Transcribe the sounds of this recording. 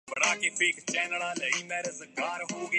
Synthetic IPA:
bəɽaːkeːpeːkt͡ʃɛːnəɽãːləiːmɛ̃ːɾəzəkaːɾɦoːɡ

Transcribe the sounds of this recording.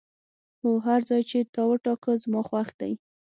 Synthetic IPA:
oɦaɾzɑjt͡ʃet̪ɑwəʈɑkəzmɑxwaxd̪a̰j

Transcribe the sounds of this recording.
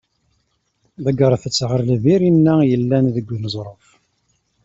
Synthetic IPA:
ðæɡəɾˤθət͡sːʁəɾlviɾinːæjəlːænðəɡʷːnəzˤɾˤəf

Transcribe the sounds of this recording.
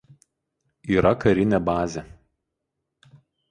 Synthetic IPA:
iːɾɐkɐɾʲɪnʲɛbɑːzʲɛ

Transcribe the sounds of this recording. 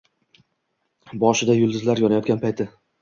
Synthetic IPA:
bɒʃɪd̪ajʊlˠd̪ɪzlaɾjɒnajɒt̪̚ɡʲanpʰajt̪ʰɪ

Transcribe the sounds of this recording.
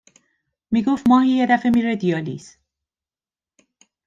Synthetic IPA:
miːɡoftmɒːhiːjed̪æfe̞miːɾed̪ijɒlḭːs

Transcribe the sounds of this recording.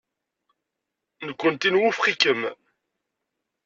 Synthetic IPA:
nəkʷːənt̪inwufχikəm

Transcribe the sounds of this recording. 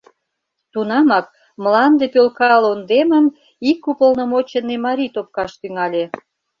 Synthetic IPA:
t̪unɑmɑk̚ | məlɑnd̪epølkɑlond̪eməm | ikːupəlnə̆mot͡ɕenːemɑɾʲit̪op̚kɑʃt̪yŋɑlʲe

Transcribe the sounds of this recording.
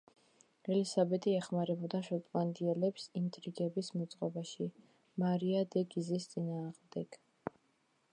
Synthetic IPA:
ɛlisabɛt̪ʼiɛχmaɾɛbɔd̪aʃɔt̪ʼvand̪iɛlɛpsint̪ʼɾiɡɛbismɔt̪sʼqʼɔbaʃi | maɾiad̪ɛɡizist̪sʼinaːʁmd̪ɛɡ̥

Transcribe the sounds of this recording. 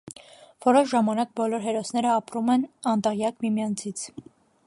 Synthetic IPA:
v̥ɔɾɔʃʒɑmɑnɑk̚bɔlɔɾɦɛɾɔsnɛɾəɑpɾumɛnɑnt̪ɛʁjɑkmimijɑnt͡sʰit͡sʰ

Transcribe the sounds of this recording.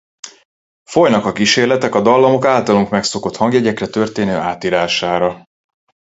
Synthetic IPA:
fo̞jnɒkɒkiʃeːrlɛt̪ɛkɒd̪ɒlːɒmo̞kaːlt̪ɒluŋkmɛkso̞ko̞t̪hɒŋɡjɛɟɛkrɛt̪ø̞rt̪eːnøːʔaːt̪iːɾaːʃaːɾɒ

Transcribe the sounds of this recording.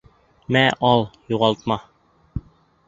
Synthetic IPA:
mæʔɒlˠjuʁɑlˠt̪̚mɑ

